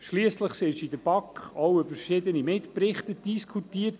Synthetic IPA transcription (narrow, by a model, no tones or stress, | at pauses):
ʃliəsləχsɪʃidəɾbɑkχɔwøbəɾʃɪd̪ənimɪtpɾɪχt̪əd̥iskʰutiːət